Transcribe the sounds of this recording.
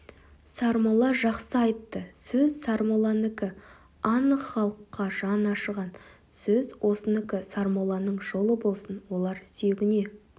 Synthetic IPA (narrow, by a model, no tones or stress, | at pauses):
sɑɾmolˠɑʒɑqsəɑjt̪ːəsɵzsɑɾmolˠɑnɪkʲɪ | ɑnəχɑlˠəqːɑʒɑnɑʃəʁɑn | sɵzwo̞sənɪkʲɪsɑɾmolˠɑnəɴʒo̞lˠəbo̞lˠsənwo̞lˠɑɾsʏjeɡʲɪne̞